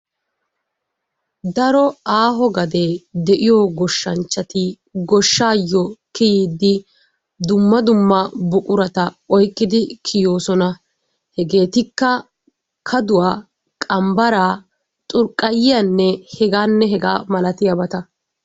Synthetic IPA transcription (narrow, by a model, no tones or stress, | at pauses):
d̪ɐɾɔaːɦɔɡɐd̪eːd̪ɛʔɪjɔɡɔʃːɐnt͡ʃːɐt̪ɪ | ɡɔʃːaːjːɔkɪjiːd̪ːɪ | d̪ʊmːɐd̪ʊmːɐbʊkʼʊɾɐt̪ɐɔjkʼːɪd̪ɪkʰɪjoːsɔnɐ | hɛɡe̞ːt̪ɪkːɐ | kʰɐd̪ʊwaː | kʼɐmbɐɾaː | t̪ʼʊɾkʼːɐjɪjɐnːɛhɛɡaːnːɛɦɛɡa̰ːmɐlɐt̪ɪjɐbɐt̪ɐ